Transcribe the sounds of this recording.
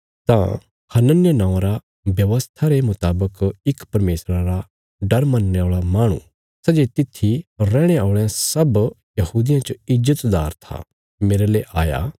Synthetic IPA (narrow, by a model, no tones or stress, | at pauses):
t̪ã̰ | hɐnənɪjənãːãɾa | bjɐʋəst̪ʰaɾemʊt̪aːbəkɪkpɐɾmeːsɾãɾa | ɖɐɾmɐnːeaːɭamaːɽ̃ṵ̃ | sɛd͡ʒet̪ɪt̪ʰːiɾɛ̃ːɽ̃eaːʊɭɛ̃sɐb | jɐhuːd̪ɪjãt͡ʃoɪzət̪d̪aːɾt̪ʰa̰ | meːɾeleʔaːja̰